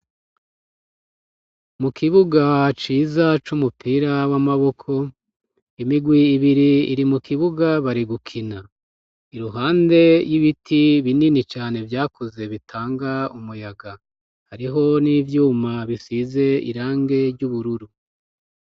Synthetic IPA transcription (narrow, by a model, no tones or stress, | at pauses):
mukʰiβuɡat͡ʃiːzat͡ʃumupʰiːɾawamaβo̞kʰo̞ | imiɡwiːβiɾiːɾimukiβuɡaβaɾiɡukʰina | iɾuɦaːnde̞jiβitʰiβininit͡ʃaːne̞vjaːkuze̞βitʰaːŋɡaumujaɡa | haɾiɦo̞niːvjuːmaβisize̞ḭɾaːŋɡe̞ɾɟuβuɾuɾu